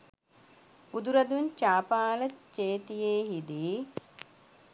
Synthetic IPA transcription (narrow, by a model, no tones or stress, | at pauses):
ud̪uɾɐd̪uent͡ʃaːpaːlət͡ʃeːt̪ijeːɦid̪i